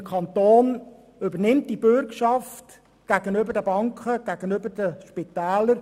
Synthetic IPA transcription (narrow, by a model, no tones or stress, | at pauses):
əkʰɑnt̪oːn | ʏbənɪmt̚d̥ibʏɾkʃɑft | ɡ̥æɡ̥ənøbəɾdəbɑŋkχəɡ̥æɡ̥ənʏbəɾdəʃpit̪æːləɾ